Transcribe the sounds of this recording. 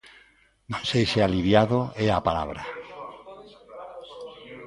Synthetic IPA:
nõnsejsealiβjaðoɛapala̰βɾa

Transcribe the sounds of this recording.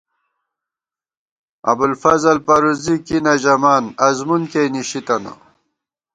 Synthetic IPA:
ɐ̰bulfɐzɐlpɐɾuzikinɐʑɐmaːnɐzmunkejniɕit̪ɐna̰

